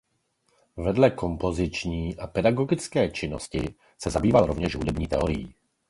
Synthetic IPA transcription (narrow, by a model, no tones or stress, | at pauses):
vɛdlɛko̞mpo̞zɪt͡ʃɲiːʔapɛdaɡo̞ɡɪt͡skɛːt͡ʃɪno̞̰scɪ | sɛzabiːvalɾovɲɛʒɦudɛbɲiːt̪ɛoɾɪjḭː